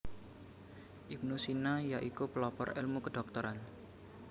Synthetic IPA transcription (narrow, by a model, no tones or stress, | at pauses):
ʔip̚nusinajaʔikupəlɔpɔ̰ɾḛlmukəɖ̥ɔ̤k̚t̪ɔɾan